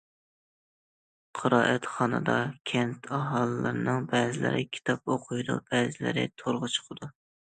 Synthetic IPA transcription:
qʰəɾɑːʔɛt̪χɑnɨ̰d̪ɑkʲʰɛnt̪ʰɑɦɑlˠɨːɨɾnɨŋbɛːzɪlɪ̰ɾɪkʲʰi̥t̪ʰɑp̚oqʰʊjd̪ṵb̥ɛzɪlɪ̰ɾɪ̰t̪ʰoɾʁət͡ʃʰə̥qʰɨd̪u

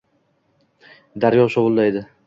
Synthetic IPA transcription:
d̪aɾjɒʃɒvʊlˠd̪ajd̪ɪ

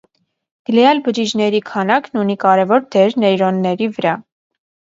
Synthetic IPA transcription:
ɡ̥əlɛjɑlbəd͡ʒid͡ʒnɛɾikʰɑnɑknunikɑɾɛvɔɾd̪ɛɾnɛjɾɔnːɛɾivəɾɑ

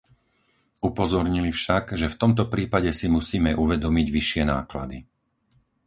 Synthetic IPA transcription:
upɔzɔɾɲilifʃaɡʒɛft̪ɔmt̪ɔpɾiːpaɟɛsimusiːmɛʔuʋɛd̪ɔmiɟʋiʃɪɛna̰ːkla̰d̪i

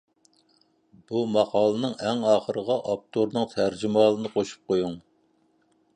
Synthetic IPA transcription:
b̥umɑqʰɑːlˠɨnɨŋɛŋɑːχəɾəʁɑʔɑp̚t̪ʰoɾnɨŋt̪ʰæɾd͡ʒymɑːlˠɨnɨqʰoʃu̥p̚qʰojuŋ

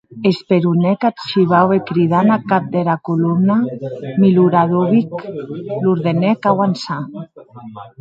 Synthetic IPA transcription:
espeɾunɛkat̪ʃiβawekɾiðanakap̚d̪eɾakulumnamiluɾaðoβikluɾðenɛkawansa

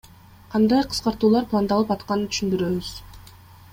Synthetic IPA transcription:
qʰɑnd̪ɑjqʰə̥sqɑɾt̪uːlˠɑɾplˠɑnd̪ɑlˠɯpɑt̪qɑnɯt̪ʰy̥ʃynd̪yɾøβyz̥

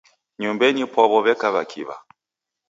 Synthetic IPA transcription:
ɲumbɛɲipɔβɔβɛkaβakʰḭβa̰

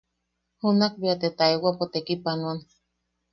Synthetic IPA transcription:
hunak̚biat̪et̪aewapot̪ekipanon

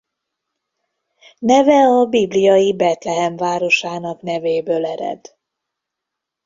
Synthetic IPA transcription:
nɛvɛɒbiblijɒjibɛt̪lɛɦɛmvaːɾo̞ʃaːnɒknɛveːbøːlɛɾɛ̰d̪

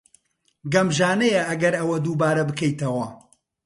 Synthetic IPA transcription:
ɡɐmʒaːnɛjɐʔɐɡɐɾɐwɐd̪uːbaːɾɐbɨkɛjt̪ɐwɐ

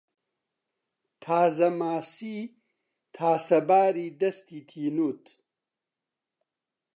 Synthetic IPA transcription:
t̪ʰaːzɐmaːsi | t̪ʰaːsɐbaːɾiːd̪ɐst̪iːt̪ʰiːnuːt̪

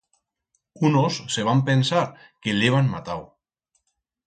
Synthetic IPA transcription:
unosːeβ̞ampensaɾ | keleβ̞anma̰t̪aw

